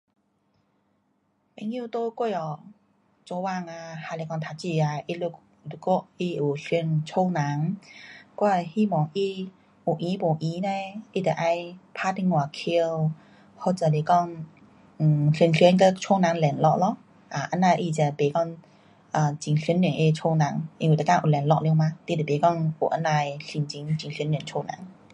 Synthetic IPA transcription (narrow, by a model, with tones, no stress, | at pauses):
pɛ˧˥˦ŋji˥˧˨t̪o˦kwe˥˧jɔ˨ | t͡sɔ˧wa˥˧˨ŋa˧ha˧˨le˧˩kɔ˧ŋt̪ʰa˧˩t͡ɕi˥˧˩a˧i˧lu˧ | lu˧ko˥˧i˧u˨˩ɬi˧nt͡ɕʰo˥˦wna˨˦ŋ | kwa˥˧˩hi˧˦mɔ˨˩ŋʔi˧ | u˨˩ʔi˧˨˦po˨˩ʔi˧˦ne˧i˦˩t̪ə˨˩ʔa˧˥jpʰa˧˥t̪i˧˥ŋwa˨˩kʰi˧w | hɔ˧˩t͡sə˧˩le˧˩kɔ˥˧ŋ̩˨˩ | ɬi˧nɬɛ˧˦nkə˧˥t͡ʃʰo˥wna˨˦ŋlɛ˨˩nlɔ˧ʔ̚lɔ˧ | ʔa˨˩ʔa˧˥na˧jʔi˧˨t͡ɕa˧˩pe˨˦kɔ˥˧ŋ | ʔaː˨˩t͡ɕi˨˩ŋɬi˧˦nli˧˨˩ŋʔe˧t͡ɕʰo˧˩wnã˨˦ŋʔŋwi˨˩ə˨˧kaː˧˨ʔu˨˩lɛ˨˩nlɔ˧ʔ̚li˧ma˧˥t̪i˧˥˩d̪ə˨˩e˨˦kɔ˥˨ŋʔo̰˨˩ʔə˧˥na˧jɬi˧˩nt͡ɕi˧˦ŋt͡ɕi˨˩ŋɬnlɛ˨˩˨nt͡ɕʰo˧na̰˨˦ŋ